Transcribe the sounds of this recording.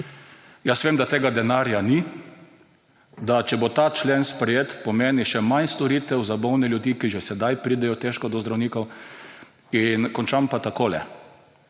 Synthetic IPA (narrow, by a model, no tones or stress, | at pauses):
jasʋeːmd̪at̪eːɡad̪ɛnaːɾjani | d̪at͡ʃɛbot̪aːt͡ʃleːnspɾɛjeːt̪pɔmeːniʃɛmanst̪ɔɾit̪ɛwzabɔwnɛljuʊd̪iːkiʒɛsɛd̪ajpɾiːd̪ɛjɔt̪eʃkɔd̪ɔzd̪ɾawniːkɔw | inkɔnt͡ʃampat̪akoːlɛ̰